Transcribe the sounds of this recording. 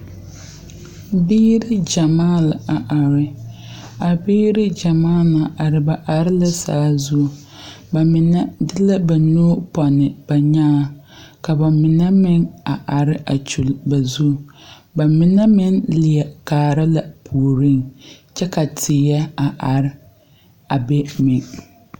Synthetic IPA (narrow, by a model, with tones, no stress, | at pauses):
biː˦ɾɪ˦d͡ʒa˨maː˦˨la˨a˨ʔa˨ɾɪ˦ | a˨biː˦ɾɪ˦d͡ʒa˨maː˦˨na˨ʔa˨ɾɪ˨ba˨ʔa˨ɾɪ˦la˦sa̰ː˦zu˦˨ | ba˨mɪ˨na˦dɪ˦la˦ba˨nu˦pɔ˨nɪ˨b̥a˨ɲaː˦ | ka˨ba˨mɪ˨nɛ˦mɪ˦ŋa˨ʔa˨ɾɪ˦ʔa˨t͡ʃu˨lba˨zu˦ | ba˨mɪ˨na˦mɪ˦nlɪ˨ɛ˨kaː˨ɾa˦la˨pʰu˨ɾɪ˦nt͡ʃɛ˦ka˨tʰɪ˨jɛ˦a˨ʔa˨ɾɪ˦ | a˨bɛ˦mɪ˨ŋ